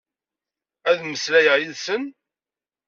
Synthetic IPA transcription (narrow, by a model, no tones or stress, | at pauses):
æðməslæjəʁjilsən